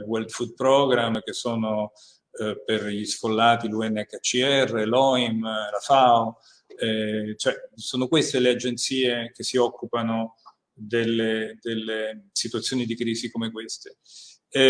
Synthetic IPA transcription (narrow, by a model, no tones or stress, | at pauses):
wɛld̪fud̪̚pɾɔɡɾamːkesːoːno | perʎisfolːaːt̪iluɛnːakːat͡ʃːiɛrːelɔimɾafao | ɛt͡ʃoɛsoːnokwest̪elead͡ʒent̪siːek̟esːiɔkːupano | d̪elːed̪elːesit̪wat̪sːjoːnid̪ikɾiːzikomekwest̪e̥